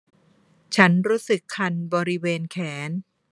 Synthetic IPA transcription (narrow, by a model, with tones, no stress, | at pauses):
t͡ɕʰa˦˥nɾuː˦˥sɯ˨˩kʰːa˧nbɔː˧ɾi˦˥weː˧nkʰɛː˩˦n